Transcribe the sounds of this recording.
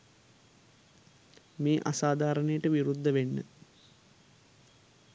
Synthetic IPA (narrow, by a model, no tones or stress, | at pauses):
meːʔa̰saːd̪ʱaːɾənəjəʈəʋiɾud̪ʱːəʋenːə̰